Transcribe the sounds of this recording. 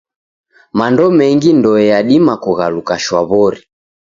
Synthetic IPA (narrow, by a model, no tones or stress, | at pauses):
mandɔmɛŋɡindɔɛjaɗimakuɣalukaʃwaβɔɾi